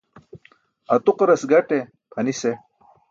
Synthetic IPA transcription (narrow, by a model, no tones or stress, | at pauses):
ɐt̪uqɾɐsɡɐʈe | pʰɐnise